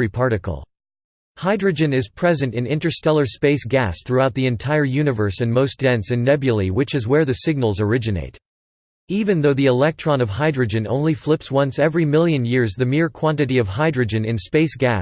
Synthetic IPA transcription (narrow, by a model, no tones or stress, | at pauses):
ipʰɑɹɾɨkl̩ˠ | haɪdɹɨd͡ʒɨ̃nɨz̥pʰɹ̥ɛzɨ̃ntɨ̃nɪ̃ntə˞stɛlˠə˞speɪsɡ̥æsθɹuaʊt̪̚ðiɨ̃ntʰaɪə˞jʉnɨvə˞sɨ̃nmoʊsd̥ɛ̃nsɨ̃nːɛbjɨlˠiwɨt͡ʃɨzwə˞ðɨsɪɡ̚nl̩ˠzə˞ɪd͡ʒɨnḛɪɾ | ivɨ̃nðoʊðiɨlɛk̚tʰɹ̥ɑ̃nʌv̥ɦaɪdɹɨd͡ʒɨ̃nõ̰ʊ̃nliflɪpswʌ̃nsɛvɹimɪlˠjɨ̃njɪɹzðɨmɪɹkʰw̥ɑ̃ntɨɾiʌv̥ɦaɪdɹɨd͡ʒɨ̃nɨ̃nspeɪsɡ̥æ̰